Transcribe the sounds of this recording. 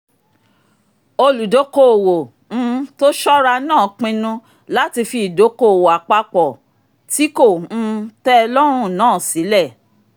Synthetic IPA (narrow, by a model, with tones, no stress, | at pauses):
o˧lu˨do˨˦ko˦˨wo˨ | ñ̩˦to˦ʃɔ˦ɾa˧nãː˦˨k͡pĩ˧nũ˧ | la˦ti˧fi˧˨do˨˦ko˦˨wo˨a˨k͡pa˧k͡pɔ˨ | ti˨˦kõ˦˨˧tɛ˦˧lɔ˦ɾ̃ũ˦nãː˦˨si˨˦lɛ˦˨